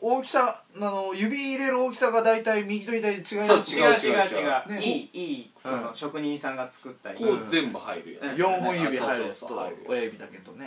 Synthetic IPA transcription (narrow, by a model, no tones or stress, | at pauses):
oːkʲi̥sa | nanojɯ̟bʲiːɾe̞ɾɯ̟oːkʲi̥saɡad̪ait̪aimʲiɡʲit̪o̞it̪aid̪t͡ɕiɡaimaiɡaaɡaiɡaneiː | sõnoɕo̞kɯ̟ɲ̟ĩsãŋɡat͡sɨ̥kɯt̪ːaɾizẽmbɯ̟ha̰iɾɯ̟̰jonjõɰ̃ɦõɰ̃jɯbʲiɦaiɾɯt̪o̰ojajɯbʲid̪ake̞d̪one̞